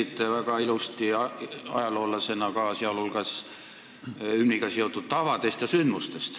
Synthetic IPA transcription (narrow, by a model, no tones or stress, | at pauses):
it̪ːˑevæɡ̥ɑilust̪iɑ̰jɑlo̞ːlɑse̞nɑkɑːsiɑlolɡ̥ɑs | ymnikɑsjeot̪ːˑud̪̥̚t̪ɑvɑd̪̥e̞st̪jɑsynd̪must̪est̪